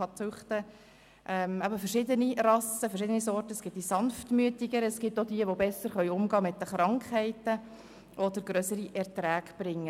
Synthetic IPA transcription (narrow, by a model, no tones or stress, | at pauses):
ɑt͡sʊχtə | ʔɛmæbəfəɾʃɪdənirɑsəfəɾʃɪdənisɔrtəsɡ̥ɪt̚d̥isɑnftmyətiɡəɾɛsɡ̥ɪtːod̪iəʋobɛsːəɾχœʏʊmɡɑːmɪt̚dəχɾɑŋkhɛɪtə | ʔɔd̪əɾɡɾœsəɾiʔɛɾtɾæːɡb̥ɾɪŋːə